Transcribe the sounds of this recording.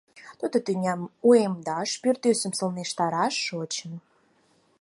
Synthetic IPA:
t̪ud̪ə̆t̪ynʲæmuemd̪ɑʃpyrt̪ysə̆msə̆lneʃt̪ɑɾɑʃːot͡ɕə̆m

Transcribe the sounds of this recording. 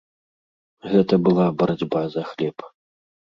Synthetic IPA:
ɣɛt̪ɐbɨlˠabɐɾad͡zʲbazɐxlʲɛp

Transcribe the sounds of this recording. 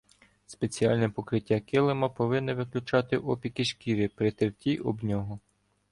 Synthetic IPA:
spet͡sʲiɑlʲnɛpɔkɾɪtʲːakɪlˠɪmɐpɔʋɪnːɛʋɪklʲʊt͡ʃɑt̪ɪʔɔpʲikiʃkʲiɾʲipɾɪt̪ɪrtʲiʔɔ̰bnʲɔɦɔ

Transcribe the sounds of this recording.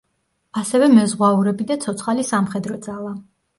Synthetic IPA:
asɛvɛmɛzʁwauɾɛbid̪at̪sʰɔt̪sʰχalisamχɛd̪ɾɔd̪zalˠa

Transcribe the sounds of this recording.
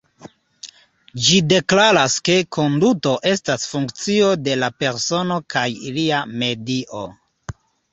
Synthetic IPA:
d͡ʒide̞klaɾaske̞kʰo̞nduto̞ʔe̞stasfuŋkt͡sio̞de̞lape̞ɾso̞no̞kajḭliame̞diʔo̞

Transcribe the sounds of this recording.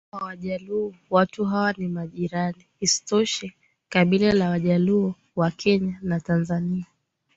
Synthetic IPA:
awaʄaluɔwatuɦawanimaʄiɾaniisi̥tɔʃɛ | kaɓilalawaʄaluɔ | wakʰɛɲanatanzania

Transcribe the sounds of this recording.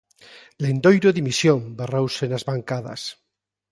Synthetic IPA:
lend̪ojɾoðimisjõmberowsenazβaŋkaða̰s

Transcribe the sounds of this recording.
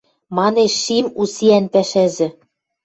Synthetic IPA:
mɑneʃːimusiænpæʃæzɘ̆

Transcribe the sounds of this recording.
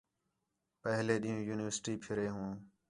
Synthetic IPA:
pəɦleːɗĩːũːjuːnɪʋəɾsʈiːpʰɪɾeːɦũː

